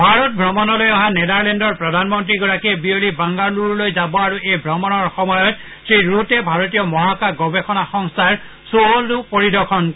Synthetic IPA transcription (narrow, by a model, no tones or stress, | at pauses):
bʱaɹɔt̚bʱɹɔmɔnɔlojɔɦanɛdaɹlɛndɔɹpɹɔdʱanmɔntɹiɡɔɹakiɛbiolibaŋɡaɹluɹlojzabɔaɹuʔejbʱɹɔmɔnɔɹxɔmɔjɔt | tɹiɹutɛbʱaɹɔt̬ijɔmɔɦakaɡɔbexɔnaxɔŋstʰaɹ | sooldupoɹidɔkʰɔn